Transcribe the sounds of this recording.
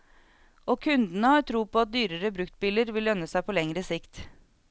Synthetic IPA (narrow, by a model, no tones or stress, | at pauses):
ʔoːkʰʉnd̪n̩əhɑːɾʈ̪ʰɾuːpoːɑt̪̚d̪yːɾəɾəbɾʉkt̪̚bɪləɾʋɪlœnəsæɪpʰoːlɛŋɾəsɪkt̪